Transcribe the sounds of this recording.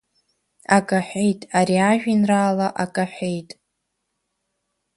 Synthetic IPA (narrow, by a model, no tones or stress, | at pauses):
akʼaħʷᶣejtʼaɾiaʒᶣinraːlaʔakʼaħʷᶣejtʼ